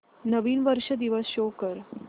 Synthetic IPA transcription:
nəʋiːnʋəɾʂəd̪iʋəsɕokəɾ

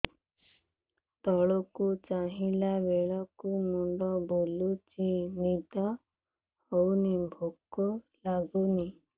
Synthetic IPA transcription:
t̪ɔɭɔkut͡ʃaɦilabeɭɔkumuɳɖɔbolut͡ʃinid̪a | hɔwnibʱokːɔ | laɡuni

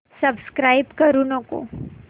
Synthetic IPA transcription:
səbskɾaːibkəɾunəko̰

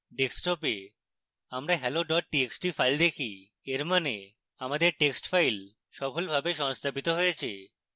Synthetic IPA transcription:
ɖeksʈope | amɾaɦɛloɖɔʈ̚ʈieksʈifajld̪ekʰi | eɾmane | amad̪eɾʈeksʈfajl | ʃɔbʱolbʱabeʃɔŋst̪ʰabit̪oɦojet͡ɕʰḛ

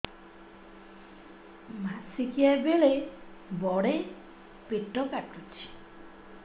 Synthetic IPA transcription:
masikiajbeɭe | bɔɽe | piʈːɔkaʈɾut͡ʃʰi̥

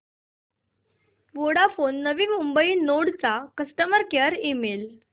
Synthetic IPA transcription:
ʋoɽafonːəʋimumbəiːnoɽt͡sakəsʈəməɾkəɾimel

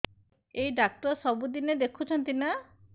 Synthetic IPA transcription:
ejɖak̚ʈɔɾsɔbud̪ined̪ekʰut͡ʃʰɔnt̪ina

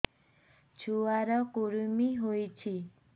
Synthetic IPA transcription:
t͡ʃʰuaɾɔkuɾumiɦojt͡ʃʰi

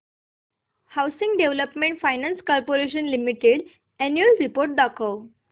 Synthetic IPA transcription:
hawsĩŋɡɖeʋləpmẽɳʈfajnãnskɔlpoɾeʃ̬ə̃nlimiʈeɽ | ɛnjuəlɾipoɾʈ̚d̪akow

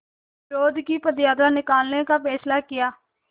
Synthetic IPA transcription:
ɾoːd̪kiːpəd̪jaːd̪aːnɪkaːlnẽkaːpɛːslaːkɪjaː

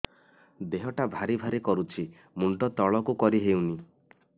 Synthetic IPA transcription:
d̪eɦɔʈabʱaɾibʱaɾikɔɾut͡ʃʰi | muɳʈɔt̪ɔɭɔkukɔɾiɦewni

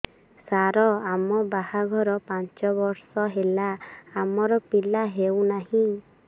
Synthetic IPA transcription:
saɾɔamɔbahaɡʱɔɾɔpant͡ʃɔbɔɾsɔɦelaamɔɾɔpilaɦewnaɦĩ

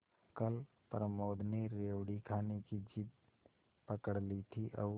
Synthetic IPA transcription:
kəl | pəɾəmoːd̪neɾeːʋɽikʰaːnekid͡ʒit̪̚ | pəkəɽlit̪ʰiʔə̰ː

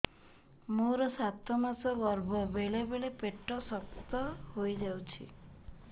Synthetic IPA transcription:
moɾɔsat̪ʰɔmasɔɡɔɾbʱɔbelebeɭepeʈːɔsɔkt̪ɔɦojd͡ʒawt͡ʃʰḭ

